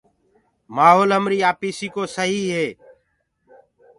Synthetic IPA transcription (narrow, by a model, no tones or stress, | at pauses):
maːɦoːlɦəmɾiːaːpiːsiːkoːsəɦiːɦeː